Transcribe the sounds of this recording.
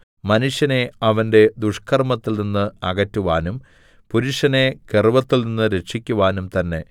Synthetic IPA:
mɐnuʂjɐne̞ɐʋɐnde̞d̪uʂkʰɐrmɐt̪ːilninːɨɐɣɐtːuʋaːnum | puɾuʂɐne̞kerʋɐt̪ːilninːɨɾe̞ʂikʲːuʋaːnumt̪ɐnːe̞

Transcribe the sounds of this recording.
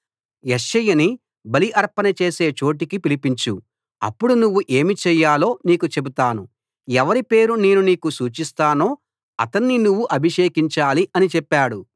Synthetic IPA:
jeʃɐjɐni | bɐliʔɐɾpɐnɐt͡ʃe̞ːse̞ːt͡ʃo̞ːʈ̬ikipilipiɲt͡ʃu | ɐ̰pːuɽunuʋːuʔe̞ːmit͡ʃɛjːaːlo̞ːniːkut͡ʃe̞but̪aːnu | ɛʋɐɾipe̞ːɾune̞ːnuniːkusuːt͡ʃist̪aːnoː | ɐt̪ɐnːinuʋːuʔɐbʱiʂeːkiɲt͡ʃaːliʔɐnit͡ʃɛpːaːɽu

